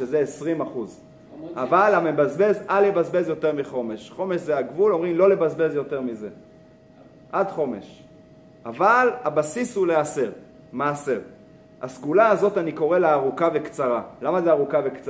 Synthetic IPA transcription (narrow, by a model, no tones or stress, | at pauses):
ezeesʁimaχuz | ʔavalamebazbe̞zalebazbezjo̞te̞ʁmiχo̞me̞ʃχo̞me̞ʃzeaɡvulo̞mʁimlo̞lebazbe̞zjo̞te̞ʁmize̞ | ʔad̪χo̞me̞̰ʃ | avalabasishulease̞ʁ | maːse̞ʁ | asɡulaːzo̞taniko̞ʁe̞leaʁukavekt͡saʁalamazeaʁukavekt͡s